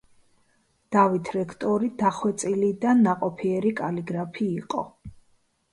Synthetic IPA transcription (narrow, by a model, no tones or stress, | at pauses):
d̪̥avit̪ʰɾɛkʰt̪ʼɔɾid̪aχwɛt̪sʼilid̪anːaqʼɔpʰiɛɾikʼaliɡɾapʰiːqʼɔ̰